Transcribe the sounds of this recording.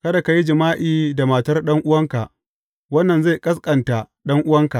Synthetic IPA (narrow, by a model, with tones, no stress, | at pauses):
kɐ˦da˨ka˨ji˦d͡ʒɪ˨maː˦ʔiː˦da˨maː˨tɐ˦rɗɐ˦ŋʔʊ˦wɐ˦ŋka˨ʔ | wɐ˦nːɐ˨nza˦˨jkʼɐ˦s̬kʼɐ˨nta˨ | ɗɐ˦ŋʔʊ˦wɐ˦ŋka˨ʔ